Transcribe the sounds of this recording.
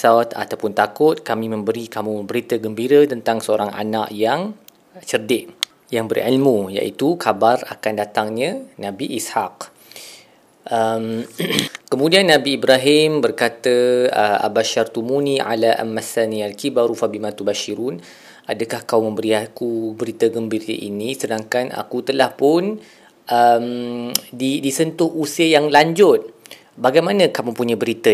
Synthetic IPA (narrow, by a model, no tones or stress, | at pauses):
sat̪a̰t̪awpʊnt̪akʊt̪̚kamĩmə̃mbəɾikamũməmbəɾit̪əɡəmbiɾət̪ənt̪aŋsəoɾaŋʔa̰na̰ʔjaŋ | t͡ʃərdɪʔ | jaŋbərʕḭlmuja̰ʔḭt̪ukabara̰kandat̪aŋɲə̃nãbiʔisħaq̚ | ʔəm | kəmũdianːãbiːbɾaɦɪmbərkat̪əəa̰baʃart̪umuniʕa̰laʔa̰mːasanialkibaɾufabimãt̪ubaʃiɾun | adəkahkawmə̃mbəɾiakubəɾit̪əɡəmbiə̰ʔḭnĩsədaŋkana̰kut̪əlahpʊn | ʔəmdidisənt̪ʊhusiəjaŋlaɲd͡ʒʊt̪̚ | baɡajmanə̃kamʊŋpuɲãbəɾit̪ə